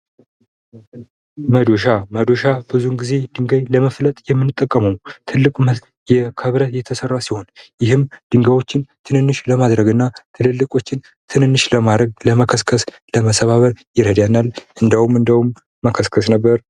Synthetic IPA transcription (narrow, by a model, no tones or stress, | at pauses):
məd̪oʃaməd̪oʃabɨzunɡize̞d̪ɨŋɡəjləməflət̪ʼjɛmːɨnːɨt̪ʼːəkʼːəməwt̪ʰɨlːɨkʼm | jɛkʰəβɾət̪jɛt̪ʰəsərːasiho̞njɪhɨmd̪̥ɨŋɡəwo̞t͡ʃːɪnt̪ʰɨnɨnːɨʃləmad̪ɾəɡɨnːat̪ʰɨlɨlːɨkʼo̞t͡ʃːɪn | t̪ʰɨnɨnːɨʃləmad̪ɾəɡ̚ləməkʰəskʰəs | ləməsəβaβəɾjɪɾəd̪janːalʔɨnd̪əhumɨnd̪əhumː | əkʰəskʰəsnəbːəɾ